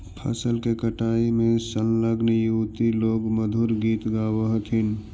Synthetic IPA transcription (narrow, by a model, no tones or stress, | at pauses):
pʰə̰səlkekəʈaːimẽsənləɡnjuːt̪iloːɡməd̪ʱuɾɡiːt̪ɡaːwəɦt̪ʰɪn